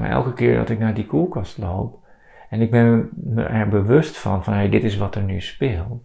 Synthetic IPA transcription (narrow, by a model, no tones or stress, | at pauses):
ɛ̰lˠkəkɪːɹdɔ̰tɪk̚naːdikulˠkɑstlo̰wp̚ | ɛnɪɡ̚bɛnmə̰ʔɛɹbəʋøstfɔ̰nfɔnɦejdɪtɪs̬ʋɔtəɹnyspɪːlˠt